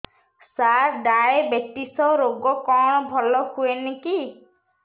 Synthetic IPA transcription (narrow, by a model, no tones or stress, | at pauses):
saɾɖaebeʈisɔɾoɡɔkɔ̃ɔbʱɔlɔhueniki